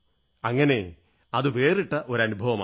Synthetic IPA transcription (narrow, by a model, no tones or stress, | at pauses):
ɐŋːɐne̞ | ɐðɨʋe̞ːriʈːɐʔo̞ɾɐnubʱɐʋɐma̰ː